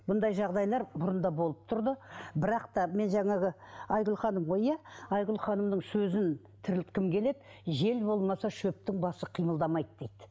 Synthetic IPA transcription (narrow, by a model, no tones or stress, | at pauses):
bʊnd̪ɑjʒɑʁd̪ɑjlˠɑɾbʊɾənd̪ɑbo̞lˠəp̚t̪ʰʊɾd̪əbɪɾɑqt̪ɑme̞nʒɑŋɑɡɪɑjʁʊlˠχɑnəmʁo̞jæɑjʁʊlˠχɑnəmnəɴsɵzɪn | t̪ʰɪɾɪlt̪kʲʰɪmkʲʰe̞le̞p̪̚ | ʒe̞lbo̞lˠmɑsɑʃɵp̚t̪ɪŋbɑsəqʰijməlˠd̪ɑmɑjd̪d̥̪e̞jd̪̥ɪ